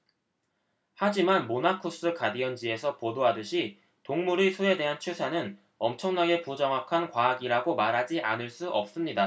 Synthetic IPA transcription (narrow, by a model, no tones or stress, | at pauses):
had͡ʑimanmonakʰus͈ɯkadiʌnd͡ʑie̞sʰʌpodoɦadɯɕʰi | toŋmuɾisʰue̞de̞ɦant͡ɕʰusʰanɯn | ʌmt͡ɕʰʌŋnaɡe̞pud͡ʑʌŋwakʰankwaːɡiɾaɡomaɾɦad͡ʑiʔanɯɭs͈uʔʌp̚s͈ɯmɲida